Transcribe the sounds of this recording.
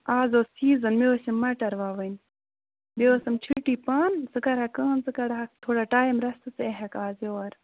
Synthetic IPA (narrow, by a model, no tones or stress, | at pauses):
aːzoːsiːzɐnmeʋɐsɐmːɐʈɐɾʋaːʋɐn | bewɐsɐmt͡ʃʰiʈiːpaːnzɨkɐɾhɐkɐːnzɨkɐɾɦɐk̚t̪ʰoːɽaʈaːjimɾɐst̪ɨsɨeɦɐkaːzeɐɾ